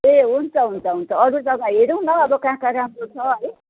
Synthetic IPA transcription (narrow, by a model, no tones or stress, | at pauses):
eɦunt͡sʰʌɦunt͡sʰʌɦunt͡sʰʌʌɾud͡zʌɡãɦeɾuw̃nʌʌbʌkãkaɾamrot͡sʰʌɦʌj